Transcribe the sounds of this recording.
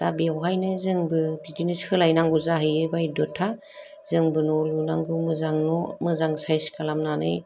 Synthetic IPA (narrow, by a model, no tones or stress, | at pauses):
tabiawɦajnɯzɯŋbɯdidinɯsɯlajnaŋɡuzaɦɯjɯbajdɔtʰa | z̥ɯŋbɯnɔlunaŋɡumɯzaŋnɔmɯzaŋsajskalamnanɯ̰j